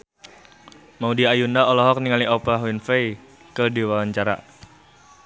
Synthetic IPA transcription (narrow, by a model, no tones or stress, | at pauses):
maudiajundaɔlɔɦɔk̚niŋaliɔpaɦwinfej | kədiwawaɲt͡ʃaɾa̰